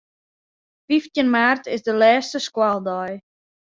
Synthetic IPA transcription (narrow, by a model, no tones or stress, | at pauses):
fiftjənmaːrtɪsdəlɛːstəskwalˠdɔj